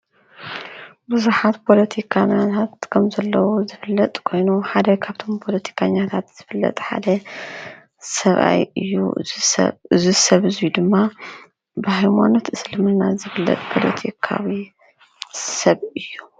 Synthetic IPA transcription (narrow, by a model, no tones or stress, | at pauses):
bɨzuħat̪pʰo̞lɐt̪ʰikʰaɲːat̪ʰat̪kʰɐmzɐlːɐwuzɨfɨlːɐt̪ʼkʰo̞jnuħad̪ɐwkʰaβt̪ʰo̞mpʰo̞lɐt̪ʰi̥kʰaɲːat̪ʰat̪z̥ɨfɨlːɐ̰t̪ʼħa̰d̪ɐ | sɐβʔa̰jɨ̰jːṵ | ɨzisɐβɨzijud̪ɨmːa | bɨhajma̰not̪ʔɨslɨmɨnazɨfɨlːɐ̰t̪ʼpʰo̞lɐt̪ʰikʰa̰wi | sɐβɨjːu